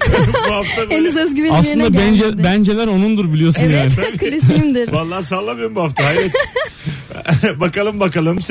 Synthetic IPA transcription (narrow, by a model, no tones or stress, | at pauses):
buhaft̪ʰabenyzøzɟymiaslɯnd̪abɛnd͡ʒebænd͡ʒelʲæɾo̞nund̪uɾbilʲijo̞sunjaːnkʰːlʲisimd̪ɪɾvalˠːaːs̬alˠːamɯjumbuhaft̪ʰaɦajɾɛt̪ | bakalˠɯmbakalˠɯms